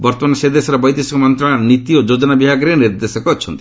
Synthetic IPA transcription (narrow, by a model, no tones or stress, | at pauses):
bɔɾt̪ɔmanɔsed̪esɔɾɔbɔjd̪esɔkɔmɔnt̪ɾɔɽ̃anit̪iod͡ʒod͡ʒɔnabiɦaɡɾeniɾd̪esɔkɔːt͡ʃʰɔnt̪i̥